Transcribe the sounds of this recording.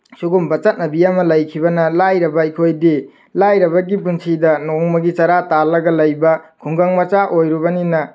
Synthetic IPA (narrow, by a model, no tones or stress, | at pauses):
suɡumbɐt͡ʃɐt̚nɐbiamɐlɐjkʰibɐnɐlajɾɐbɐikʰojdi | lajɾɐbɐɡip̬unsidɐnoŋmɐɡit͡ʃɐɾatalɐɡɐlɐjbɐkʰuŋɡaŋmɐt͡ʃaʔojɾubɐninɐ